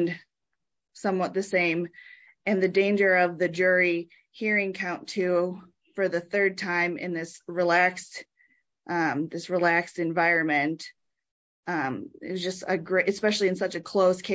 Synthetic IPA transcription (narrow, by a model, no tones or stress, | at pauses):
n | sʌ̃mwʌt̪̚ðɨsẽɪ̃m | ɨ̃nðɨdẽɪ̃nd͡ʒə˞ʌvðɨd͡ʒʊɹi | hiɹɪ̃ŋkʰãʊ̃ntʰʉ | fə˞ðɨθɜ˞d̚tʰãɪ̃mɨ̰̃nðɪsɹilækst | ʔʌ̃ðɪsɹilækstɨ̃ɱvaɪɹɨ̃nmɨ̃nt | ʌ̃ɪ̰zd͡ʒʌstɨɡɹeɪʔɨspɛʃl̩ˠiɨ̃nsʌt͡ʃɨkʰl̥oʊskʰe